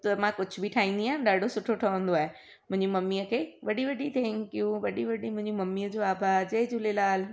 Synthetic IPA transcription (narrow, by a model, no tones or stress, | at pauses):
t̪ɐmãkʊd͡ʑʱʊbʱɪʈʰaːɦĩːn̆d̪iãːɗaːɖʱosʊʈʰoʈʰɐə̃n̆d̪oaːɦe | mʊ̃ɦɪ̃ɲd͡ʑimɐmːiəkʰeːʋɐɗiʋɐɖit̪ʰɛ̃ːŋkjuʋɐɗiʋɐɖimʊ̃ɦɪ̃ɲd͡ʑimɐmːiəd͡ʑoaːbad͡ʑɐɦɪd͡ʑʊlelaːl